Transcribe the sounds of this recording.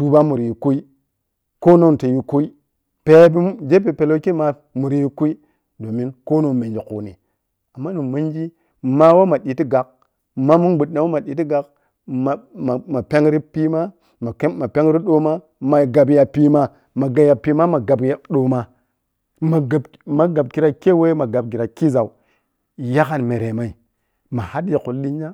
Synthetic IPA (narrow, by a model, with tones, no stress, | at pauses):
tu˦ba˦mu˨ɾi˨ji˨ku˦i˦ | ko˦no˦n˨te˨ji˨ku˦i˦ | pe˨˦bi˦d͡ʒe˦pe˨pe˨lo˦ki˦ma˨ | mu˨ɾi˨ji˦ku˦i˦ | do˨mi˦nko˦no˦˨nme˨nd͡ʒi˨kṵ˨nḭ˨ | a˨mːa˦nu˨ma˦nd͡ʒi˦ | ma˦wo˦ma˨ɗi˨ti˦ɡa˨k̚ | ma˦mu˦nɡ͡bu˨ɗɗa˨wo˦ma˨ɗi˨ti˦ɡa˨k | m˨ma˨ma˨pe˦ŋɾi˦pi˦ma˦ | ma˨˦ma˨pe˦ŋ˦ɾi˦ɗo˦ma˦ | ma˨ɡa˨bja˨pi˦ma˨ | ma˨ɡa˨ja˨pi˦ma˦ma˨ɡa˨bja˦ɗo˨ma˨ | ma˨ɡa˨ | ma˨ɡa˨b̚ki˦ɾa˦ke˦we˦ma˨ɡa˨b̚ki˨ɾa˨ki˦za˨u˨ | ja˦ka˨nme˨ɾe˨ma˨i˨ | ma˨ha˦di˨ku˨lːi˦ɲ˦a˦